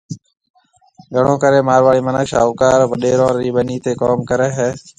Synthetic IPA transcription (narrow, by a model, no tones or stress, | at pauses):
ɠʱəɳõːkəɾeːmaːɾʋaːɭiːmənəkʃa̰ːʋkaːɾʋəɗeːɾõːɾiːɓəniːt̪eːkoːmkəɾɛːɦɛː